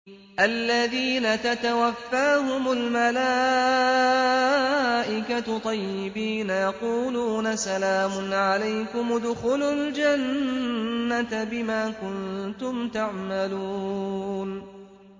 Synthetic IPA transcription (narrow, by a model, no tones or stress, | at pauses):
ʔalːaðiːnat̪at̪awafːaːɦʊmʊlmalaː | ʔɪkat̪ˤɑjːɪbiːnajɑquːluːnasalaːmʊnʕalajkʊmd̪ʊxʊlʊld͡ʒanː | at̪bɪmaːkʊnt̪ʊmt̪aʕmaluːn